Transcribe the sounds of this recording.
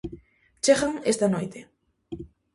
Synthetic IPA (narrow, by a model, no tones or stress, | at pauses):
t͡ʃeɣaŋest̪anojt̪e